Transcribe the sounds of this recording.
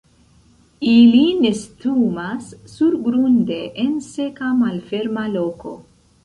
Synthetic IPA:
iline̞stumasːuɾɡɾunde̞ʔense̞kamalfe̞ɾmalo̞ko̞̰

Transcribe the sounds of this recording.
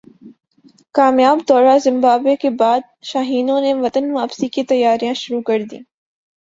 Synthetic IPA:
kaːmjaːbd̪ɔːɾazɪ̃mbaːbekebaːd̪̚ | ʃaːɦiːnõneʋɐt̪ənʋaːbsikit̪ɐjːaːɾijãʃʊɾukɐɾd̪ḭ̃ː

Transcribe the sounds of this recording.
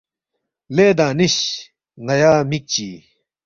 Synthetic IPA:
leːd̪ãːniɕ | ŋajaːmik̚t͡ɕiː

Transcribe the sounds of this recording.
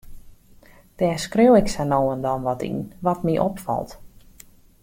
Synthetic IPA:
d̥ɛːskrøwɪksanowəndɔnʋɔtḭnʋɔtmiʔɔ̰pfɔ̰lˠt

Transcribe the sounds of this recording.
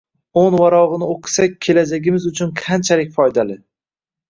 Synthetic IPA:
onvaɾɒʁɨnɪoqʰɨ̥sak̚ʲʰe̞lad͡ʒaɡʲɪmɪzʊt͡ʃʰʊnqʰant͡ʃʰalɪkʲfɒjd̪alɪ

